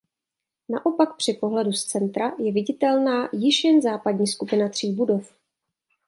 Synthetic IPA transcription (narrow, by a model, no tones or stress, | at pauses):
naʔo̞pakpr̝̥ɪpo̞ɦlɛdust͡sɛnt̪ɾajɛvɪɟɪt̪ɛlnaːjɪʃjɛnzaːpadɲiːskupɪnat̪r̝̥iːbudo̞f